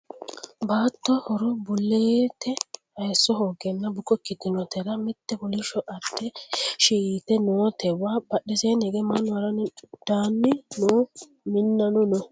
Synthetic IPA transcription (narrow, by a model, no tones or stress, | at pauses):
baːt̪ːɔhɔɾɔbʊlːeːt̪ʰɛhɐjsːɔɦoːɡɛnːɐbʊkɔkːɪd̪ɪnɔt̪ɛɾɐmɪt̪ːɛbɔlɪʃɔʔɐt̪ːɛʃiːt̪ɛnoːt̪ʰɛwaːbɐɗːɛseːnɛɡemanːʊwɐɾɐnd̪̥aːnːɪnoː | mɪnːɐnɔnɔ